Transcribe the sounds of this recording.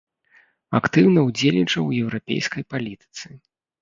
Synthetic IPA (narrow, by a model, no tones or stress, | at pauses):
akt̪ɨwnɐwd͡zʲelʲnʲit͡ʂɐwjɛwɾapʲḛjskɐjpalʲit̪ɨ̥t̪sɨ